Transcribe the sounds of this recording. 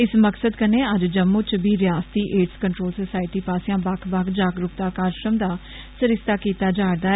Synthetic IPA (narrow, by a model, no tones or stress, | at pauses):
ɪsməksəd̪kənẽːəd͡ʒd͡ʒəmːũːt͡ʃbiːɾɪjaːst̪iːʔeːɖskəɳʈɾoːlsəsaːɪʈiːpaːsɪjãːbakʰbakʰd͡ʒaːɡɾʊpt̪aːkaːɾʃɾəmd̪aː | səɾɪst̪aːkiːt̪aːd͡ʒaːɾd̪aː